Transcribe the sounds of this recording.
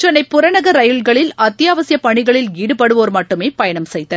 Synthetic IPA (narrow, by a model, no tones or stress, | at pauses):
t͡ʃɛnːɐɪpːʊɾɐnɐɣɐɾɐjɯɭɡɐɭɪlɐt̪ːɪjaːʋɐsɪjɐpɐɳɪɣɐɭɪliːɽɯpɐɽɯʋoːɾmɐʈːɯmeːpɐjɐɳɐmsɛjt̪ːɐ